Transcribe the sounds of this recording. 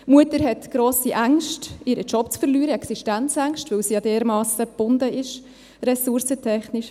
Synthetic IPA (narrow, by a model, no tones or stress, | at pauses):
muətəɾɦɛtɡ̥ɾoːsiʔæŋʃtɪɾət͡ʃɔpt͡sfəɾlyːɾəɛksiʃtænt͡sæŋʃtvɵlsijɑdeːɾmɑːsfəb̥ʊndəʔɪʃ | ɾɛsuɾsətʰɛχniʃ